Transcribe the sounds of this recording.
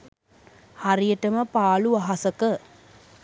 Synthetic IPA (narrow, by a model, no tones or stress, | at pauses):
haɾijəʈəməpaːluʋaɦasəkə